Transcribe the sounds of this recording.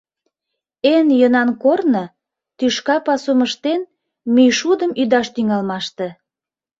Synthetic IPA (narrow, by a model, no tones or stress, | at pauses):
enjənɑnkornɤ | t̪yʃkɑpɑsuməʃt̪en | myjʃud̪əmyd̪ɑʃt̪yŋɑlmɑʃt̪ĕ